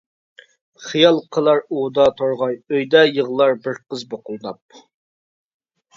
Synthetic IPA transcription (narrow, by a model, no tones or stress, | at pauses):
χijɑlˠqʰəlˠɑɾod̪ɑt̪ʰoɾʁɑjøjd̪ɛjəʁlˠɑɾbɪɾqəzboqʰʊlˠɨnɑp̚